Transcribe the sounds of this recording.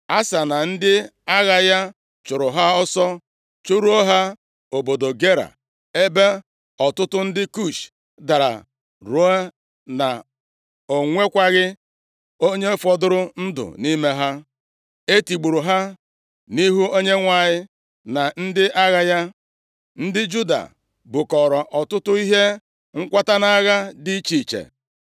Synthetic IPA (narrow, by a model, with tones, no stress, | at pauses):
a˦sa˨na˨n̩˦dɪ˦a˦ɣa˨ja˦ | t͡ʃʊ˨ɾʊ˨ɦa˦ɔ˦sɔ˦ | t͡ʃu˦ɾu˦o˦ɦa˦ | o˨bo˨do˨ɡe˦ɾa̰˨ | e˦be˦ | ɔ˨tʊ˦tʊ˦n̩˦dɪ˦ku˦˨t͡ʃ | da˨ɾa̰˨ | ɾu˦a˦ | na̰˨ | o˨ŋʷe˦kʷa˦ɣɪ˦ | o˦ɲe˦fɔ˨dʊ˦ɾʊ˦n̩˦dʊ̰˨ni˦me˦ɦa˦ | e˦ti˨ɡ͡bu˨ɾu˨ɦa˦ | ni˦ɦu˦o˦ɲe˦ŋʷa˨ɲɪ˦ | na˨n̩˦dɪ˦ʔa˦ɣa˦ja˦ | n̩˦dɪ˦d͡ʒu˦da̰˨ | bʊ˨kɔ˨ɾɔ˨ʔɔ˨tʊ˦tʊ˦i˦ɦe˦ | ŋ̩˦kʷa˦ta˦na˦a˦ɣa˦dɪ˦t͡ʃi˨t͡ʃḛ˨